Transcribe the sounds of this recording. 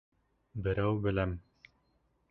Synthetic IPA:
bɘ̆ɾæwbɘ̆læm

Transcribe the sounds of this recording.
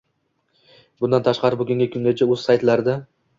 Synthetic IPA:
bʊnd̪ant̪ʰaʃqɑɾɪboɡʲaŋʲɡʲakʲʰɵŋɡʲat͡ʃʰaɵz̥sajt̪laɾd̪a

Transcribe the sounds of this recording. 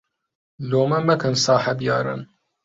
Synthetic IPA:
loːmɐmɐkʰɐnsɑːħɐbjɑːɾɨ̰n

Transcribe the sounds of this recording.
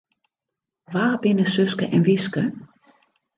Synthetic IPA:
ʋaːbɪnəsøskəʔɛnʋɪskə

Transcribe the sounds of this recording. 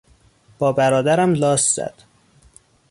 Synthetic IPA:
b̥ɒːbæɾɒːd̪æɾæmlɒːsz̥æ̰d̪̥

